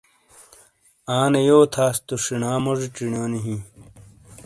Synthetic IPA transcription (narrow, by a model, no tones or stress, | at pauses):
aːnejoːt̪ʰaːst̪uʂinaːmoʐiʈ͡ʂiɳjoːniɦĩ